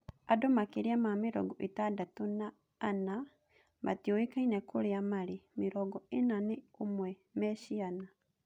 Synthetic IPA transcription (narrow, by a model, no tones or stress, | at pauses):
adɔmakeɾiamameɾɔ̰ɡɔʔetadatonaː | na | ma̰tioekainɛkoɾeamaɾemeɾɔɡɔenaneomwɛ | mɛʃiana